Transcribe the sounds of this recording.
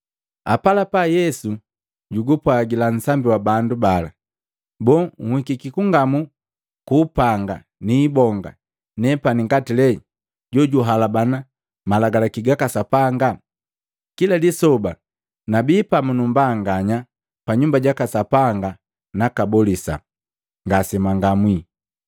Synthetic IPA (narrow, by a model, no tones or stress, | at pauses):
apalapajɛsu | ɟuɡupwaɡilan̩sambiwabandubala | bɔːŋ̩hikikikuŋɡamu | kuːpaŋɡa | niːbɔŋɡa̰ | nɛpaniŋɡatilɛ | ɟɔɟuɦalabana | malaɡalakiɡakasapaŋɡa | kiladisɔba | nabiːpamunumbaːŋɡaɲa | paɲumbaɟakasapaŋɡa | nakabɔlisa̰ | ŋɡasɛmaŋɡamwi